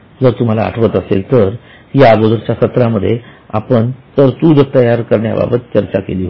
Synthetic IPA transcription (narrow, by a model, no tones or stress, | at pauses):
d͡zəɾt̪um̤ala̰ːʈʰʋət̪əselt̪əɾ | ɦjaːɡod̪əɾt͡ɕasət̪ɾaməd̪ʱːje | apəɳt̪əɾt̪uːd͡zəɾt̪əjaɾkəɾɳja̰ba̰bət̪̚t͡ɕəɾt͡ɕakḛli